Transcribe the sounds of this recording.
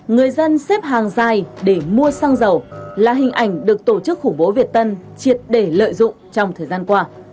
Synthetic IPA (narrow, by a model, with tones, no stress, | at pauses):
ŋɨ˨˩əjzə˧nsɛ˦˥p̚ɦaː˨˩ŋzaː˨˩jɗe˧˩mu˧əsaː˧ŋzə˨˩wlaː˨˩ɦï˨˩ŋ̟ʔa˧˩jŋ̟ɗɨ˨˩ək̚t̪o˧˩t͡ɕɨ˦˥k̚xʊ˧˩ŋ͡mɓo˨˦vi˨˩ət̚t̪ə˧nt͡ɕi˨˩ət̚ɗe˧˩lə̰ː˧˨jzʊ̰˧˨ŋ͡mt͡ɕɔ˧wŋ͡mt̪ʰəː˨˩jzaː˧nkwaː˧